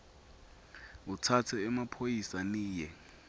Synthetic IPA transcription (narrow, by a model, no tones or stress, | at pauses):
utʰatʰɛːmapʰojisaniːjɛ